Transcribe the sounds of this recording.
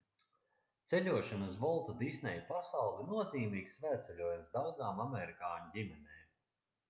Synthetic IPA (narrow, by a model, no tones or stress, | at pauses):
t̪sɛlʲuɔʃanɐs̬vɔlˠt̪ud̪isnɛjpasawlˠinuɔziːmiːksvæːt̪sɛlʲuɔjumsd̪awd̪zaːmamɛɾikaːnuɟʲimɛnɛːm